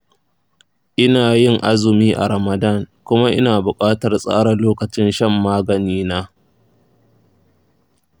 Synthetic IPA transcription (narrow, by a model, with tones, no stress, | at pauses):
ʔɪ˦naː˨jɪ˦ŋʔa˦zʊ˨miː˦ʔa̰˨ɾɐ˨mɐ˨dɐ˦˨ŋkʷʊ˦ma˦ʔɪ̰˦naː˨bʊ˨kʼaː˦tɐ˨rsʼa̰ː˦ɽɐ˨loː˦kɐ˨t͡ʃɪ˦nʃɐ˦mːaː˦ɡɐ˨niː˦naː˦